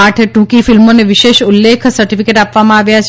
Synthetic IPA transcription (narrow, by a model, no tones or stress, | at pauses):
aʈʰʈũkifilmoneʋɪʃeʃulːekʰsəɾʈifikeʈapʋamãaʋjat͡ʃʰ